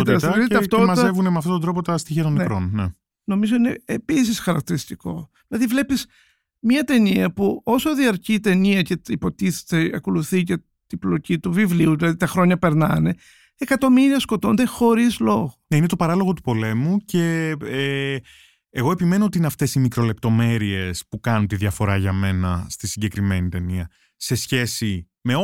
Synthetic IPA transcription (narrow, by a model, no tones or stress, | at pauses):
it̪ɐsɐiɐft̪omɐzt̪evunemeɐft̪ot̪od̪ɾo̞pot̪ɐst̪içiɐt̪onekɾo̰nnḛ | no̞mizo̞ine̞̰epis̬isxɐɾɐk̚t̪iɾist̪iko̞̰ðilɐðivle̞piz | mɐt̪e̞niɐpuo̞soðiɐɾcit̪e̞niɐceipo̞t̪iθe̥t̪eɐko̞luθice | t̪iblo̞cit̪uvivliuðilɐðit̪ɐxɾo̞ɲɐpe̞ɾnɐne̞ | ekɐt̪o̞miɾiɐsko̞t̪o̞nd̪e̞xo̞ɾizlo̞ɣoneinet̪o̞pɐɾɐlo̞ɣo̞t̪u̥po̞le̞muce̞ | ɣo̞epime̞noot̪iineɐft̪e̞simikɾo̞le̞p̚t̪o̞me̞ɾie̞spukɐnunt̪iðɐfo̞ɾɐʝɐme̞nɐ̰st̪isiɲɟe̞kɾime̞nit̪e̞niɐ | se̞sçe̞si | me̞